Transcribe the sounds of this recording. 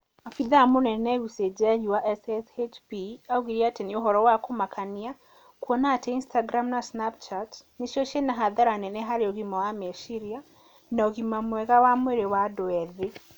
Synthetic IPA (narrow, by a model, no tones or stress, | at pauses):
afiðamunɛnɛβused͡ʒaɲiwaʔɛsɛset͡ʃpiauɣiɾiatenioɦɔɾɔwakomakʰania | kwɔnateinstaɡɾamnasnapt͡ʃatniʃoʃenaɦaðaɾanɛnɛɦaɾiɔɣimawameʃiɾia | nɔɣimamwɛɣawamweɾewadwɛðe